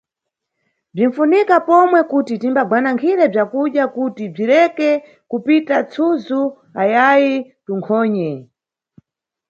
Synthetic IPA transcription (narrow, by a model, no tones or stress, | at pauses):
b͡ʐin̩funikapɔmwɛkutitimbaɡwanaŋkʰiɾɛb͡ʐakuɗjakutib͡ʐiɾɛkɛ | kupitat͡sʰuzu | ajajituŋkʰɔːɲɛ